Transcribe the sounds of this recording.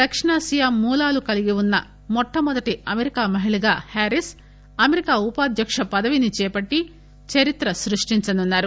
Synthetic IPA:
d̪ɐkʂɐɳaːsijamːuːlaːlukɐliɡiwunːɐ | mɔʈʰːɐmɔd̪ɐʈiɐmeɾikaːmɐɦiɭiɡaːhaːɾis | ɐmeɾikaːupaːd̪ʱjɐkʂɐpɐd̪ɐʋinit͡ʃɛːpɐʈːi | t͡ʃɐɾit̪ɾɐsɾuʂʈiɲt͡ʃɐnunːaːɾu

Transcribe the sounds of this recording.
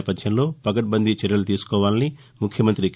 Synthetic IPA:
pɐt̪ʃɐnlo̞ːpɐkɐʈ̚bɐnd̪ʱit͡ʃɐɾjɐlut̪iːsu̥kɔːʋaːlɐni | mukʰːjɐmɐnt̪ɾik

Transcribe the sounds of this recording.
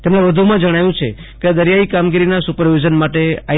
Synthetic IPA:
t̪emneʋəd̪ʱumãd͡ʒəɽ̃ajũt͡ʃʰe | ked̪əɾjaikamɡiɾinasupəɾʋid͡ʒənmaʈea

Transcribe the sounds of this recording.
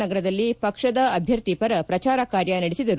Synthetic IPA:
nɐɡɐɾɐd̪ɐlːipɐkʂɐd̪ɐːbʱjɐɾt̪ipɐɾɐpɾɐt͡ʃaːɾɐkaːɾjɐnɐɽesid̪ɐɾu

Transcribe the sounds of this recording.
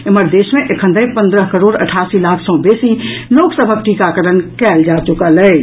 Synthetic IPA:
eməɾd̪esmẽʔekʰə̃nd̪ʱəjpə̃nd̪ɾəɦkəɾoːɖə̰ʈʰasilakʰsɔ̃besiloːksəbʱək̚ʈikakəɾənkɛːld͡ʒat͡ʃukəlɛ

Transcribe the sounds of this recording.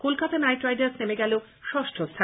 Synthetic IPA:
kolkat̪anajʈɾajɖaɾsnemeɡɛlo | ʃɔʃʈʰost̪ʰa

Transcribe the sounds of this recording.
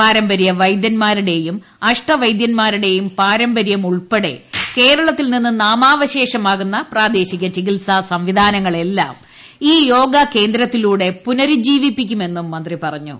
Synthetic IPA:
paːɾɐmbɐɾjɐʋɐjd̪jɐnmaːɾuɽe̞jum | ɐʂʈɐʋɐjd̪jɐnmaːɾuɽe̞jumpaːɾɐmbɐɾjɐmuɭpeɽe̞̰ke̞ːɾɐɭɐt̪ːilninːɨnaːmaːʋɐɕe̞ːʂɐmaːɣunːɐpraːd̪e̞ːɕiɣʲːɐt͡ɕiɣilsasɐmʋid̪ʱaːnɐŋːɐɭe̞lːa̰ːm | iːjo̞ːɡake̞ːnd̪ɾɐt̪ːiluːɽe̞punɐɾud͡ʑiːʋipːikʲːume̞nːumːɐnd̪ripɐrɐɲːṵ

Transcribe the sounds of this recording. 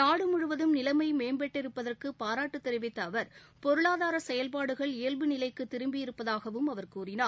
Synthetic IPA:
naːɽɯmʊɻɯʋɐðɯmnɪlɐmɐɪmeːnbɛʈːɪɾɯpːɐðɐrkɯpaːɾaːʈːɯt̪ːɛɾɯʋɪt̪ːɐːʋɐɾ | pɔɾɯɭaːðaːɾɐsɛjɐlpaːɽɯɣɐɭɪːɐlbɯnɪlɐɪkːɯt̪ːɪɾɯmbɪjɪɾɯpːɐðaːɣɐʋɯmɐʋɐɾkuːrɪnaː

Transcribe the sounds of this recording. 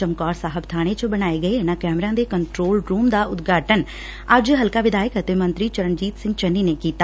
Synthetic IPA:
t͡ʃəmkɔːɾsaːɦəbt̪ʰaːɽ̃eːt͡ʃəbəñaːeːɡəeɪnãːkɛːmɾãːd̪eːkəɳʈɾoːlɾuːmd̪aːʊt̪ɡaːʈən | əd͡ʒɦəlkaːʋɪd̪aːjɪkət̪eːmə̃nt̪ɾiːt͡ʃəɾənd͡ʒiːt̪sɪ̃ŋɡt͡ʃənːiːneːkiːt̪aː

